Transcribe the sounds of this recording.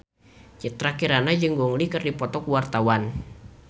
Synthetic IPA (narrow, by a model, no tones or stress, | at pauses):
t͡ʃit̪ɾakiɾanad͡ʒɨŋɡuŋlikɨrdipɔt̪ɔkuwart̪awan